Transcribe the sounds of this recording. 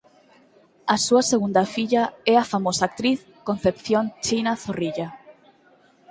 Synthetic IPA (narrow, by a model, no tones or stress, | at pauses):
ɐsuɐseɣund̪ɐfiʎaɛafamosaːk̚t̪ɾiθ | kõn̟θepθjont͡ʃinaθoriʎa